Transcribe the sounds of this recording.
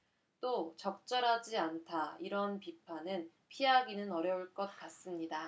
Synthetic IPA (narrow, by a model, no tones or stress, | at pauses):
t͈ot͡ɕʌk̚t͡ɕ͈ʌɾɦad͡ʑiantʰaiɾʌnpipʰanɯn | pʰiaɡinɯnʌɾjʌuɭk͈ʌt̚k͈as͈ɯmɲida